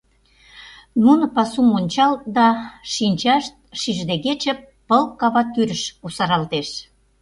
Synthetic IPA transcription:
nunŏpɑsumonʲt͡ɕɑlt̪̚d̪ɑʃinʲt͡ɕɑʃt̪̚ʃiʒd̪eɣet͡ɕə̆pːə̆lkɑβɑt̪yɾə̆ʃusɑɾɑlt̪eʃ

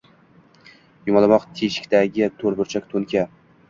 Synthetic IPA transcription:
jʊmɒlˠamɒqt̪ʰeʃɪ̥kʲt̪ʰaɡʲɪt̪ʰɵɾbʊɾt͡ʃʰakʲt̪ʰɵnkʲʰa

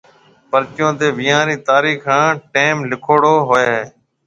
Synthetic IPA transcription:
pəɾt͡ʃjõːt̪eːʋɪjãːɾiːt̪aːɾiːxãːʈeːmlɪkʰoːɽoːɦoːeːɦeː

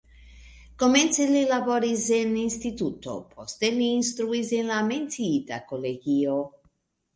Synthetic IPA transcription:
koment̪selilaboɾizeninst̪it̪ut̪o̰pʰost̪eliːnst̪ɾuizenlamensiit̪a̰koleɡio

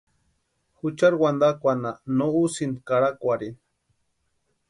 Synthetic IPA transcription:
xut͡ʃaɾwand̪akʷananousind̪kaɾakʷaɾin

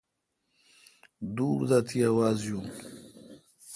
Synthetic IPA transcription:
d̪uːɾd̪at̪ʰiawaːzjum

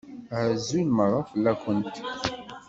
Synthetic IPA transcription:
ʕəzulməɾˤːafəlːækʷːənt̪

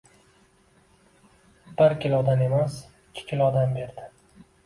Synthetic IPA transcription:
b̥ɪɾkʲɪlɒd̪ame̞masɪkʲʰːɪ̥kʲʰɪlɒd̪ambe̞ɾd̪ɪ

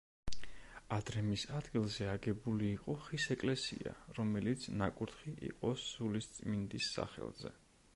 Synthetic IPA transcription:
ad̪ɾɛmisad̪ɡilˠzɛaɡɛbuliːqʼɔχisɛkʼlɛsḭa̰ɾɔmɛlit̪sʰnakʼuɾt̪χiʔḭqʼɔsːulist̪sʼmind̪isːa̰χɛ̰lˠzɛ̰

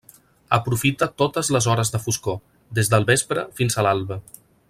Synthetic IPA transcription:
əpɾufit̪ət̪ot̪əzləzɔɾəzðəfusko | d̪ezðəlˠβespɾəfinzəlalˠβə

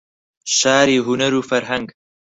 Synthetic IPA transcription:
ʃaːɾiːɦunɐɾuːfɐɾɦɐŋɡ

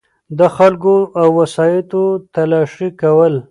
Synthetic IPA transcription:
d̪əxalkoʔawːasɑjɪt̪ot̪alɑʂikawəl

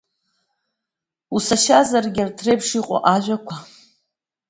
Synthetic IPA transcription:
usaʃazarɡʲartʰrebʂiqʷʼɔ̰ʔaʒʷakʷʰa

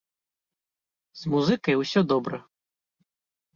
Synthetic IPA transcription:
z̥muzɨkɐjwsʲɔd̪ɔbɾɐ

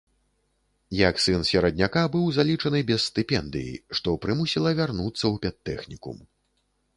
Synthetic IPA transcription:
jaksɨnsʲɛɾɐd̪̚ʲnʲakabɨwzalʲit͡ʂɐnɨbʲɛssːt̪ɨpʲɛnd̪ɨ̰jḭʂt̪ɔpɾɨmusʲilˠɐvʲarnut̪sːɐwpʲɛt̪ːɛxnʲikṵm

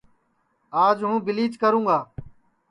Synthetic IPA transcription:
aːd͡ʒɦũːbɪliːt͡ʃkəɾũːɡaː

